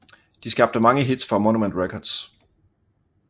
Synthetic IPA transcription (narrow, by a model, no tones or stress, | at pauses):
d̥isɡ̥ɑ̈b̥̚d̥əmɑ̈ŋəɦid̥sfɒmɒnumend̥ʁekʰɒd̥s